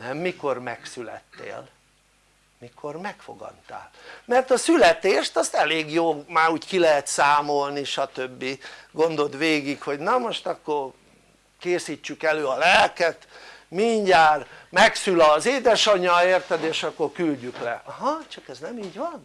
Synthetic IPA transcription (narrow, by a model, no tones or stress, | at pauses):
nɛmːiko̞rmɛksylɛ̰t̪ːḛːl | mikʰo̞rmɛkfo̞̰ɡɒ̰nt̪a̰ːlmɛrt̪ɒsylɛt̪eːʃt̪ɒst̪ɛleːɡjoːmaːɾuːɟkilɛɦɛt̪saːmo̞lniʃɒt̪øbːiɡo̞nd̪o̞t̪ʋeːɡikho̞ɟnɒmo̞ʃt̪ɒkːor | keːsiːt͡ʃːykɛløːɒlɛlkɛt̪miɲɟaːrmɛksylɒzeːd̪ɛʃɒɲɒeːrt̪ɛd̪eːʃɒkːorkylɟyklɛ̰ɦɒt͡ʃɒkɛznɛmiːɟʋɒn